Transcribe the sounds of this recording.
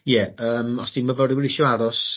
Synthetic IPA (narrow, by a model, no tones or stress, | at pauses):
jɛəːmɔsd̥inməvɔɾɪwɛɾɪʃɔaɾɔs